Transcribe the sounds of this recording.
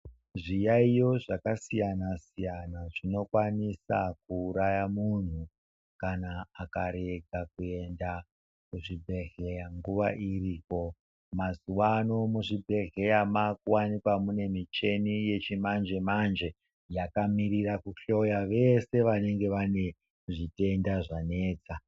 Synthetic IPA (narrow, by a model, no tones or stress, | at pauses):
ʐijaijo̞ʐakasijanasijanaʐino̞kwanisa̰kuːɾajamun̤u | kanaːkaɾe̞ɡʱakue̞nda | kuʐibʱe̞ɦejaŋɡuʋaʔiriːko̞ | mazuwano̞muʐibʱe̞ɦe̞jamakuwanikwamune̞mit͡ʃe̞nije̞t͡ʃimand͡ʒe̞mand͡ʒe̞ | jakamiɾirakuɬo̞jaʋe̞se̞ʋane̞ŋɡe̞ʋane̞ | ʐite̞ndaʐane̞ːt͡sa